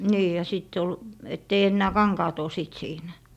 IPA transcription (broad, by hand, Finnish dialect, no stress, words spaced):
niː jɑ siˑtː ol etː ei enːæː kɑŋkɑːt o siˑt siːnæ